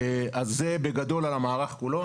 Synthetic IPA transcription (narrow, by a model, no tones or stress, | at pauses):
azːebeɡad̪olalamaːʁaχkulo